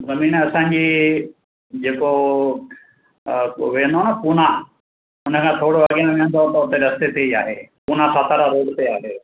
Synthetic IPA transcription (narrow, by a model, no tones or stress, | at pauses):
zɐmiːnɐsãːɲd͡ʑiː | d͡ʑeːko | ʋẽːnd̪onəpuːna | ʊnə̆kʰãːt̪ʰoːɽoɐɡiẽʋẽə̃nd̪ot̪ɐʊt̪eɾɐst̪et̪ʰeiaːɦeːpuːnasaːt̪ʰaɾaɾoːɽt̪eaːɦeː